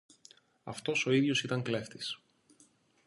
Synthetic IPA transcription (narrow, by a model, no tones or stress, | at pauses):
ɐ̰ft̪o̞so̞iðʝo̞sit̪ɐŋkle̞ft̪is